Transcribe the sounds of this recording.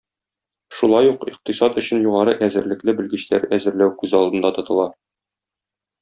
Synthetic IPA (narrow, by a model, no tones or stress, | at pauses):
ʃulˠɑjuqiq̚t̪isɑt̪ɵ̆ɕɘnjuʁɑɾɤʔæzɘ̆ɾlɘ̆klɘbɘ̆lɡɘ̆ɕt̪æɾæzɘ̆ɾlæwkʉzɒlˠd̪ɤ̆nd̪ɑt̪ŏt̪ɤ̆lˠɑ